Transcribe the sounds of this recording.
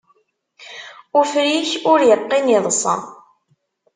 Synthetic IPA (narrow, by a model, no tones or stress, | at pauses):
ufɾiçʊɾjəqːiniðˤəsˤɑ̰